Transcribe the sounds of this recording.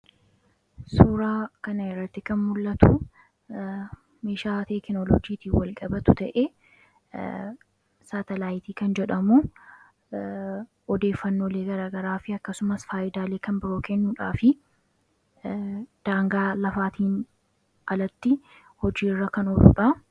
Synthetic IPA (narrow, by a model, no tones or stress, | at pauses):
suːɾaːkɐnɐɪrːɐt̪ːɪkɐnmʊlːɐt̪ʊ | meːʃaːt̪eːkɪnɔlɔ̰d͡ʒiːt̪iːwɐlkʼɐbɐt̪ʊt̪ɐʔeː | saːt̪ɛlaːjɪt̪iːkɐnd͡ʒɛᶑɐmu | ɔd̪e̞ːfːɐnːo̞ːleːɡɐɾaːɡɐɾaːfɪɐkːɐsʊmɐsfaːʔɪd̪aːleːkɐnbɪɾo̞ːkʰɛnːuːᶑaːfɪ | d̪̥aːŋɡaːlɐfaːt̪iːn | ʔɐlɐt̪ːɪ | hɔd͡ʒiːrːɐkɐnɔᶑṵᶑɐ